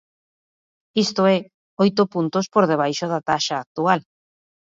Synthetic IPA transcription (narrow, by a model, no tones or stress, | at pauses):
ist̪oɛ | ojt̪ʊpunt̪ospoɾð̞eβ̞ajʃoðat̪aʃaːk̚t̪ual